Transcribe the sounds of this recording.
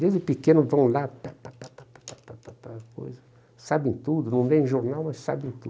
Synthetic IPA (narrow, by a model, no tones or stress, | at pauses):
ezɪpikẽnʊvɐ̃w̃lapapapapapḁpapapapako̰jzɐ | sabẽt̪ud̪ʊnɐ̃w̃d̪ẽʒoɾnawmɐssa̰bẽt̪ṵ